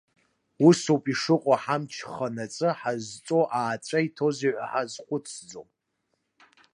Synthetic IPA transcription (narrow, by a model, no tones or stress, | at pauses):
usopʼiʂɨqʷʼaħamt͡ʃʰχanat͡sʼɨħazt͡sʼoʔaːt͡sʷʼaitʰozeʕʷa̰ħazχʷʊt͡sʰd͡zo̰pʼ